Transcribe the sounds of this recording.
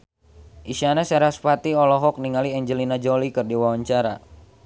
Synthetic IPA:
ʔisianasaɾaspat̪iɔlɔɦɔk̚niŋaliɛɲd͡ʒəlinad͡ʒolikɨrdiwawaɲt͡ʃaɾa

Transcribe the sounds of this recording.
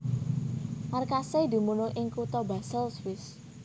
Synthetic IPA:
markased̪i̤munoʔɪŋkut̪ɔbasəlswɪs

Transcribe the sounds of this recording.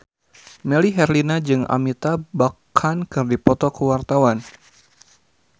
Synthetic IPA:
meliɦɛrlinad͡ʒɨŋa̰mit̪abakʰankɨrdipɔt̪ɔkəwart̪awan

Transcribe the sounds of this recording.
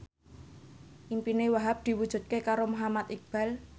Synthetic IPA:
ʔimpinewaɦap̚d̪̥i̤wud̥ʒ̥ṳt̪̚kekaɾomoɦamat̪ik̚b̥a̤l

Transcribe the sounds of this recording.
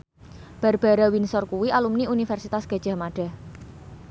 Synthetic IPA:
b̥a̤rb̥a̤ɾawinsɔrkuwiʔalumniunifɛrsit̪asɡ̥a̤d̥ʒ̥a̤maɖ̥a̤h

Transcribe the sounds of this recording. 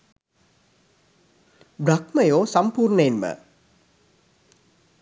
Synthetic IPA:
bɾɐkməjoːsɐmpuːɾɳəenmə̰

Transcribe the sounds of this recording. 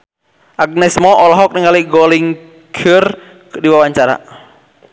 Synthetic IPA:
ʔaɡ̚nɛsmɔʔɔlɔɦɔk̚nɪŋaliɡɔliŋ | ɡʰər | diwawaɲt͡ʃaɾa̰

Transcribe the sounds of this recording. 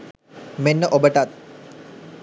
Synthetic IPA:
menːəʔobəʈat̪

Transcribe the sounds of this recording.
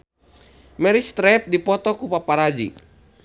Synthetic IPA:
mɛɾist̪ɾɛp̚dipɔt̪ɔkupapaɾad͡ʒḭ

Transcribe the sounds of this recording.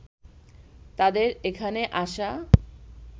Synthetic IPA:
t̪ad̪eɾekʰaneʔaʃa

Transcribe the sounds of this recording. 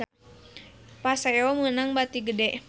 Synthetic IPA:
pasajɔmənaŋbat̪iɡədɛʔ

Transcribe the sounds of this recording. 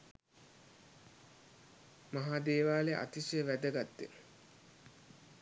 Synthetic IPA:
maɦaːd̪eːʋaːleʔa̰t̪iseʋæd̪əɡat̪ːḛ

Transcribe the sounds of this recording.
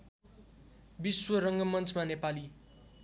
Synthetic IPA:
biswʌɾʌŋɡʌmʌnt͡sʰmanepali

